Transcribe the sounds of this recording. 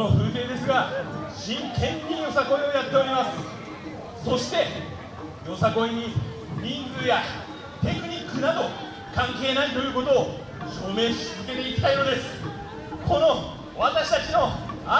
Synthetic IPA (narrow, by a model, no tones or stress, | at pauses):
oɸɯ̟̃ːk̪ẽ̞nd̪e̞sɨɡaɕĩŋkʰẽ̞ɲɲʲijo̞sako̞io̞jat̪ːe̞o̞ɾʲimasɨ̥ | so̞ɕi̥t̪e̞ | jo̞sako̞iɲ̟i | ɲʲĩnd͡zɨja | t̪e̞kɯ̟ɲ̟ikːɯ̟nad̪o̞ | kãŋke̞ːnait̪o̞jɯ̟ːko̞t̪o̞ː | ɕo̞ːme̞ːɕizɨke̞t̪e̞it̪ʰaino̞d̪e̞sɨ̥ | ko̞no̞ | βat̪aɕi̥t̪at͡ɕino̞a